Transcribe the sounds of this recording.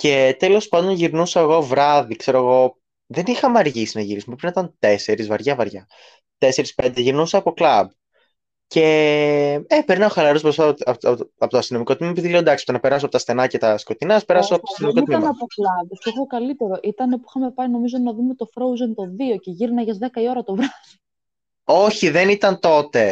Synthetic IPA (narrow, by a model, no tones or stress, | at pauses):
ce̞t̪elo̞spɐnd̪onʝiɾnusɐeɣo̞vɾɐðikse̞ɾoeɣo̞ | ðenixɐmɐɾʝisinɐʝiɾisumepɾinɐit̪ɐnt̪e̞se̞ɾizvɐɾʝɐvɐɾʝɐ | t̪e̞se̞ɾispe̞nd̪eʝiɾnusɐːpo̞klɐb | ce̞ | epeɾinɐoxɐlɐɾospɾost̪ɐt̪iɐɐpot̪oɐst̪ino̞miko̞t̪imimoepiðileod̪ɐksi̥spo̥t̪enɐpeɾɐs̬oɐpot̪ɐst̪θe̞nɐcet̪ɐsko̞t̪inɐspeɾɐsoɐpooɐst̪inmioiimiɐmnɐpoklɐbostoɣokɐlit̪e̞ɾo̞ʔit̪ɐnepuixɐme̞pɐɾino̞mizonɐðumet̪ofɾowzint̪o̞ðio̞ceʝiɾinɐʝɐzðekɐio̞ɾɐt̪ovɾɐði | o̞çiðenit̪ɐnt̪o̞t̪e̞